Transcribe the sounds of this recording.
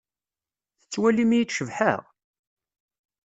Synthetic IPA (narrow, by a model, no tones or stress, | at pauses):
θə̥t͡sːwælimijt͡sʃəvħə̰ʁ